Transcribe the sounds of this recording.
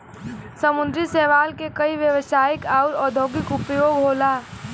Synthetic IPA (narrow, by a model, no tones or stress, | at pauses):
səmʊ̃nd̪ɾisɛːʋaːlkekɐiʋjəʋsaːɪkaːʊɾɔːd̪ʱoːɡɪkʊpjoːɡɦoːlaː